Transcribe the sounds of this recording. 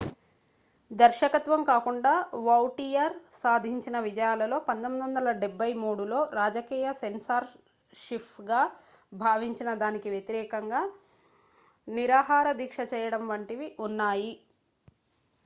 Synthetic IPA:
d̪ɐɾʃɐkɐt̪ʋɐmkaːkuɳɖaːʋɐwʈijɐɾsaːd̪ʱiɲt͡ʃinɐʋid͡ʒɐjaːlɐlo̞ːpɐnt̪omid̪ʋɐnd̪ɐlɐɖebːɐjmuːɽulo̞ːɾaːd͡ʒɐkiːjɐsensaːɾ | ʃipɡaː | bʱaːʋiɲt͡ʃinɐd̪aːnikiʋjet̪iɾɛːkɐŋɡaː | niɾaːɦaːɾɐd̪iːkʂɐt͡ʃɛːjɐɽɐmʋɐɳʈiʋiʔunːaːji

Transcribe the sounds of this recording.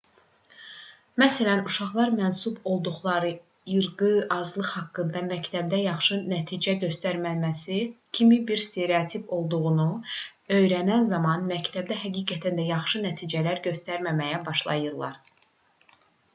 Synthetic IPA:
mæsælænuʃɑχlˠɑɾmænsubo̞lˠd̪uχlˠɑɾɯ | jɯɾɡɯɑzlˠɯχhɑkːɯnd̪ɑmæct̪ʰæb̚d̪æjɑχʃɯnæt̪ʰid͡ʒæɟø̞st̪æɾmæmæsicʰimibiɾst̪ʰe̞ɾeɑt̪ʰipo̞lˠd̪uʁunu | ø̞jɾænænzɑmɑnmæct̪ʰæb̚d̪æɦæɡiːɡæt̪ʰænd̪æjɑχʃɯnæt̪ʰiːd͡ʒælæɾɟø̞st̪æɾmæmæjæbɑʃlˠɑ̰jɯɾlˠɑ̰ɾ

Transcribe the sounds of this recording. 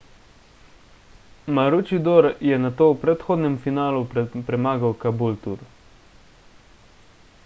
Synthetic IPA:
maɾut͡ʃid̪oːɾjɛnat̪oːwpɾɛt̪xoːd̪nʲɛmfinaːlupɾɛmaːɡawkabult̪ṵɾ

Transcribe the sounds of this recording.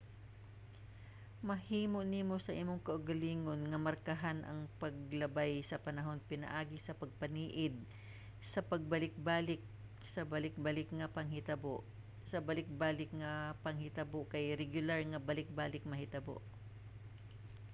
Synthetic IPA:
mɐhiːmo̞ʔniːmo̞sɐʔimoŋkɐʔʊɡɐliːŋo̞nŋɐmɐɾkɐɦanʔɐ̰ŋpɐɡlɐbajsɐpɐnɐɦo̞npɪnɐ̰ʔaːɡɪsɐpɐɡ̚pɐniːʔɪd̪̚ | sɐpɐɡ̚bɐlɪk̚baːlɪk̚ | sɐbɐlɪk̚bɐlɪkŋɐpɐŋhɪt̪ɐboʔ | sɐbɐlɪk̚baːlɪkŋɐpɐŋhɪt̪ɐboʔkɐjɾɛɡjʊlaɹŋɐbɐlɪk̚baːlɪk̚mɐhɪt̪ɐbo̰ʔ

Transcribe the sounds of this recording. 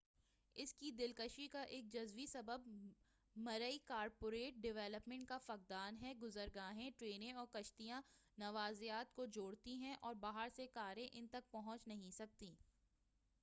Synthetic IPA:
ɪskid̪ɪlkəʃikaʔeːk̚d͡ʒɐzʋisɐbəb̚ | mɐɾəikaːɾpoːɾeːʈ̚ɖɪʋɛːləpmɛ̃ɳʈ̚kafɐq̚d̪aːnɦɛɡʊzəɾɡaːɦẽʈɾeːnẽɔːɾkɐʃt̪ijã | nɐʋaːzijaːt̪kod͡ʒoːɽt̪iɦɛ̃ʔɔːɾbaːɦəɾsekaːɾẽʔɪnt̪ɐk̚pɐɦɔ̃t͡ʃnɐɦĩsɐk̚t̪iː

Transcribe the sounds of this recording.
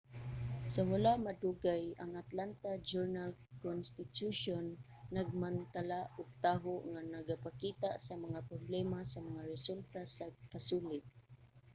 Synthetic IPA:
sawalaʔmaduɡajaŋat̪lant̪ad͡ʒuɹnalkɔnst̪ɪt̪juʃɔnː | aɡ̚mant̪alaʔʊɡ̚t̪aɦʊʔŋanaɡapakit̪aʔsamaŋapɾoblɛmasamaŋaɾɛsult̪asaɡ̚pasulɪt̪̚

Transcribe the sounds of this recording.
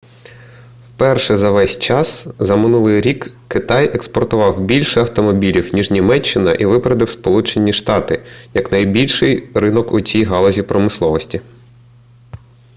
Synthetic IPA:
wpɛrʃɛzɐʋɛsʲt͡ʃɑszɐmɪnulˠɪjɾʲik | kːɪt̪ɑjekspɔrt̪ʊʋɑwbʲilʲʃɛɐwt̪ɔmɔbʲilʲiwnʲiʒnʲimɛt͡ʃːɪnɐʔiʋɪpɾɐd̪ɪwspɔlˠut͡ʃenʲːiʃt̪ɑt̪ɪjɐknɐjbʲilʲʃɪjrɪnɔkʊt͡sʲijɦɑlˠɔzʲipɾɔmɪslˠɔʋɔsʲtʲi

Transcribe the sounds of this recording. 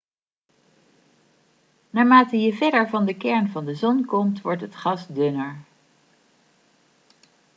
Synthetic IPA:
naːɹmaːtəjəvɛdəɹvɑndəkɛɹnvɑndəzɔnkɔmtʋɔɹtɦətχɑsdønəɹ

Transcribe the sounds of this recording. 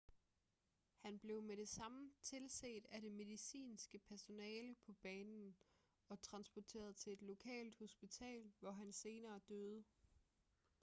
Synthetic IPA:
hænb̥le̝ʊmeɾ̥e̝sɑ̈mət͡sʰe̝lsḛːd̥æɾe̝me̝ðˠisḭːnsɡ̥əpʰæɐso̝nɛːləpʰɒ̽b̥ɛːnn̩ | ɒ̽t͡sʰʁɑ̈nsb̥ɒt͡sʰe̝̰ːɐð̞ˠt͡sʰe̝e̝d̥lo̝kʰɛ̰ːld̥ho̝sb̥it͡sʰɛ̰ːlʋɒɦænse̝ːnɐːd̥øð̞ˠə

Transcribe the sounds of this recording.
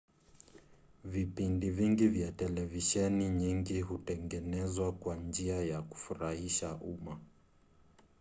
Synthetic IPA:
vipindiviŋɡivjatɛlɛviʃɛniɲiŋɡiɦutɛŋɡɛnɛzwakwand͡ʒiajaku̥fuɾahiʃaʔuma

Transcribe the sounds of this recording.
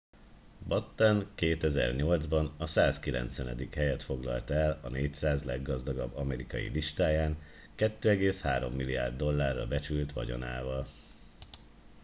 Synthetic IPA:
bɒt̪ːɛnkeːt̪ɛzɛ̰rɲo̞ld̪zbɒnɒsaːskilɛ̰nt̪sʋɛnɛ̰d̪ikhɛjɛt̪fo̞ɡlɒ̰lt̪ɛlɒneːcsaːzlɛɡːɒzd̪ɒɡɒbːɒmɛɾikɒjḭliʃt̪aːjaːŋ | kɛt̪ːøːɛɡeːshaːɾo̞̰mːilija̰ːrd̪ːo̞lːaːrːɒ̰bɛt͡ʃylt̪ʋɒ̰ɟo̞̰na̰ːvɒl

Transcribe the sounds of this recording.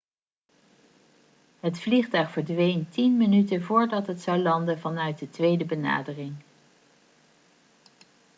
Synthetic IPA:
ɦətfliχtœɥχfəɹdʋejntinmənytənvʊːɹdɑtɦətsɑwlɑndənvɑnœɥt̚dətʋejdəbəna̰ːdərɪŋ

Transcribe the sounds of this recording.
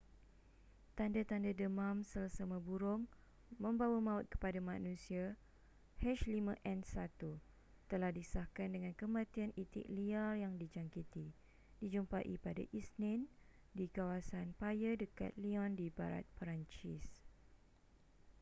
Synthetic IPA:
t̪andat̪andadəmãmsəlasamə̃buɾʊŋ | mə̃mbawamãʊt̪̚kə̥padamãnũsia | hɛʃlimãʔɛnsat̪u | t̪əlahdisahkandəŋãnkəmãt̪ianit̪ɪ̰ʔliarjaŋdid͡ʒaŋkit̪i | d̥id͡ʒumpaʔḭpada̰ʔisnɪ̃n | dikawasanpajədəka̰t̪̚liɔ̃ndiba̰ɾa̰t̪̚pəɾaɲt͡ʃis

